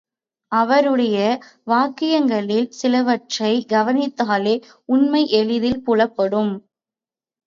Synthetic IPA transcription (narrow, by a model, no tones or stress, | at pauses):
ɐʋɐɾɯɽɐjɐʋaːkɪjɐŋɡɐɭɪlsɪlɐʋɐʈrɐɪɡɐʋɐnɪt̪ːaːleː | ʊnmɐɪʔɛɭɪðɪlpʊɭɐpːɐɽɯm